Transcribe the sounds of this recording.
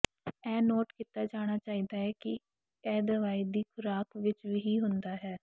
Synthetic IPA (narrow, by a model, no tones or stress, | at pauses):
ɛːnoːʈkiːt̪aːd͡ʒaːɽ̃aːt͡ʃaːiːd̪aːɦɛːkɪ | ɛːd̪əʋaːiːd̪iːkʰʊɾaːkʋɪt͡ʃʋiːɦiːɦʊnd̪aːɦɛː